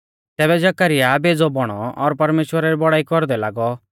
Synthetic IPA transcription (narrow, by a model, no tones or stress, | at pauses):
t̪ɛːbɛd͡ʒɐkaɾɪjabed͡zɔbɔɽ̃ɔɔɾpɐɾmeːʃwəɾaɾibɔɽaːikɔɾd̪ɛlaːɡɔ